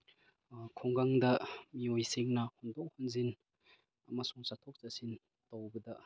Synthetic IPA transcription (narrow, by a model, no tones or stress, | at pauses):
kʰɔŋɡaŋdɐmiojsiŋnɐhɔndɔk̚hɔnzin | masuŋsatʰɔk̚zasin | towbɐdɐ